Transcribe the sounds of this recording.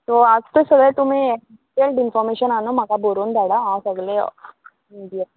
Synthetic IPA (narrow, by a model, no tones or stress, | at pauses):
t̪oad͡zt̪əsəɡɭejt̪um̤iːe | ʈelʈinfɔɾmeɕənanum̤akaboɾuːnd̪ʱaɽaɦawsəɡɭe | iɖija